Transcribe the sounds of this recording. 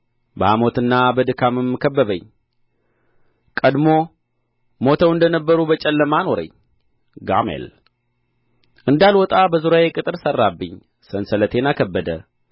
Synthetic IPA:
bəhamo̞t̪ɨnːabəd̪ɨkʰamɨmːɨkʰəbːəβəɲː | kʼəd̪mo̞ | mo̞t̪ʰəwɨnd̪ənəbːəɾubət͡ʃʼɛlːəmano̞ɾə̰ɲː | ɡa̰mḛl | ʔɨnd̪alwɔt̪ʼabəzuɾajekʼɨt̪ʼɨɾsərːabːɨɲː | sənsələt̪ʰe̞nakʰəbːəd̪ə̰

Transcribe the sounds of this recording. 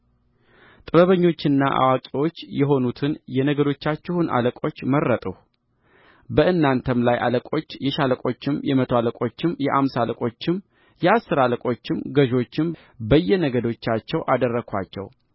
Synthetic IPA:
t̪ʼɨβəβəɲːo̞t͡ʃːɪnːaʔa̰wakʼiwo̞t͡ʃːjɛɦo̞nut̪ʰɨnjɛnəɡəd̪o̞t͡ʃːat͡ʃːɛhunʔa̰ləkʼo̞t͡ʃːmərːət̪ʼuh | bəɨnːant̪ʰəmlajʔa̰ləkʼo̞t͡ʃːjɛʃaləkʼo̞t͡ʃːɪmjɛmət̪ʰoaləkʼo̞t͡ʃːɪmjɛʔamsaləkʼo̞t͡ʃːɪm | jɛasːɨɾaləkʼo̞t͡ʃːɪmɡəʒo̞t͡ʃːɪm | bəjːɛnəɡəd̪o̞t͡ʃːat͡ʃːɛwʔad̪ərːəkʰʷa̰t͡ʃːɛ̰w

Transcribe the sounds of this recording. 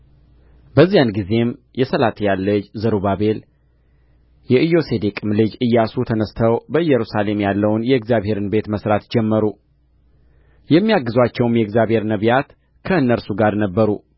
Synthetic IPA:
bəzːijanɡize̞m | jɛsəlat̪ʰjalːɨd͡ʒzəɾuβabe̞l | jɛʔɨjo̞se̞d̪ekʼɨmlɨd͡ʒɨjːasut̪ʰənəst̪ʰəwbəɨjːɛɾusale̞mjalːəwnjɛɨɡzjaβhe̞ɾɨnbe̞t̪məsɾat̪d͡ʒɛmːəɾu | jɛmːijaɡːɨzwat͡ʃːɛwmjɛɨɡzjaβhe̞ɾnəβijat̪ | kʰəɨnːəɾsuɡaɾnəbːəɾu

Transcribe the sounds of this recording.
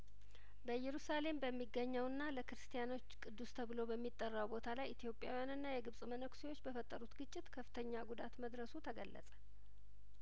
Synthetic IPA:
bəjɛɾusale̞mbəmːiɡːəɲːəwɨnːaləkɨɾɨst̪ʰijano̞t͡ʃːkʼɨd̪ːust̪ʰəβɨlo̞bəmːit̪ʼːərːawbo̞t̪ʰalajit̪ʰijo̞pʼja̰wijanɨnːajɛɡɨβsʼmənəkʷsewo̞t͡ʃːbəfət̪ʼːəɾut̪ɡɨt͡ʃʼːɪt̪kʰəfɨ̥t̪ʰəɲːaɡud̪at̪məd̪ɾəsut̪ʰəɡəlːə̰sʼə̥

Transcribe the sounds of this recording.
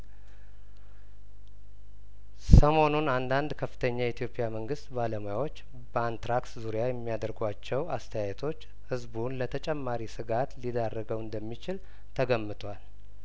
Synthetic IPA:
səmo̞nunand̪and̪kʰəfːɨ̥t̪ʰəɲːajit̪ijo̞pʼːjaməŋɡɨst̪baləmojawo̞t͡ʃː | bəant̪ɾakt̪zuɾjajɛmːijad̪əɾɡat͡ʃːɛwast̪ʰəjajɛt̪ʰo̞t͡ʃː | hɨzbunlət̪ʰət͡ʃʼɛmːaɾisɨɡat̪lid̪arːəɡəwɨnd̪əmːit͡ʃɪl | t̪ʰəɡəmːɨt̪ʰwal

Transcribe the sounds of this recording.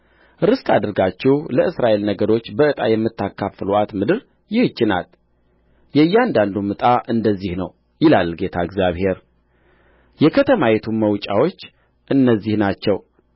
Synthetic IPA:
ɾɨst̪ʰad̪ɨɾɡat͡ʃːɛhləʔɨsɾaʔe̞lnəɡəɾo̞t͡ʃːbəɨt̪ʼajɛmːɨt̪ːakʰːafluʔat̪mɨd̪ɨɾ | jɪhɨt͡ʃːɪna̰l | jɛjːand̪and̪umɨt̪ʼaʔɨnd̪əzːihnəw | jɪlalɡe̞t̪ʰaɨɡzjaβhe̞ɾ | jɛkʰət̪ʰəmajɛt̪ʰuməwt͡ʃʼa̰wo̞t͡ʃː | ʔɨnːəzːihnat͡ʃːɛw

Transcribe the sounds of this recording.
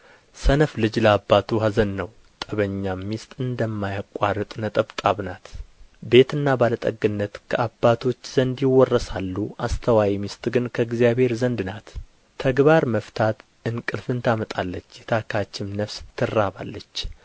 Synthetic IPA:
sənəflɨd͡ʒləabːat̪ʰuɦazənːəw | t̪ʼəβəɲːamːist̪ʼɨnd̪əmːajakʼːarɨt̪ʼnət̪ʼəβt̪ʼaβnat̪be̞t̪ɨnːabalət̪ʼəɡɨnːət̪kʰəʔabːat̪ʰo̞t͡ʃːzənd̪jɪwɔrːəsalːuʔast̪ʰəwajimist̪ʼɡɨnkʰəɡzjabhe̞ɾzənd̪nat̪ːʰ | əɡβaɾməft̪ʰat̪ | ɨnkʼɨlfɨnt̪ʰamət̪ʼalːət͡ʃːjɛt̪ʰakʰat͡ʃːɪmnəfst̪ʰːɨrːaβa̰lːət͡ʃː

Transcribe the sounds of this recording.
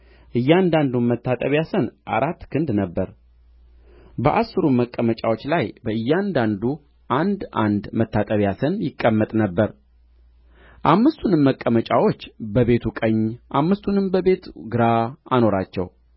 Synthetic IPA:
ʔɨjːand̪and̪unmət̪ːat̪ʼəβjasənʔa̰ɾat̪ːkʰɨnd̪nəbːəɾ | bəʔasːɨɾuməkʼːəmət͡ʃʼawo̞t͡ʃːlajbəɨjːand̪and̪u | ʔand̪ʔand̪mət̪ʰːat̪ʼəβjasənjɪkʼːəmːət̪ʼnəbːəɾ | ʔamːɨst̪ʰunɨmːəkʼːəmət͡ʃʼawo̞t͡ʃːbəβe̞t̪ʰukʼəɲːʔamːɨst̪ʰunɨmbəbe̞t̪ɡɨɾaano̞ɾat͡ʃːɛ̰w

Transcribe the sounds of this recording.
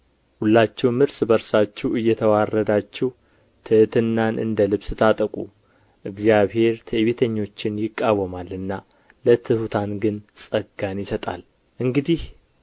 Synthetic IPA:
hulːat͡ʃːɛwmɨɾsbəɾsat͡ʃːɛwɨjːɛt̪ʰəwarːəd̪at͡ʃːɛw | t̪ʰɨt̪ʰɨnːanʔɨ̰nd̪əlɨβsɨt̪ʰat̪ʼəkʼu | ʔɨɡzijaβhe̞ɾt̪ʰəʔβit̪ʰəɲːo̞t͡ʃːɪnjɪkʼːawəmalɨnːa | lət̪ʰɨhut̪ʰanɡɨnsʼəɡanjɪsət̪ʼa̰l | ʔɨŋɡɨd̪ih

